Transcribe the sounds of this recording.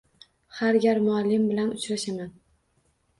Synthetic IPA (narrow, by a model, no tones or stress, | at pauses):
haɾɡʲaɾmʊalːɪmbɪlanʊt͡ʃɾaʃaman